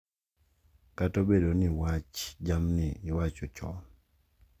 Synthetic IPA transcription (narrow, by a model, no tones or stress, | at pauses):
katobeɗoniwat͡ʃd͡ʒamniwat͡ʃɔt͡ʃɔ̰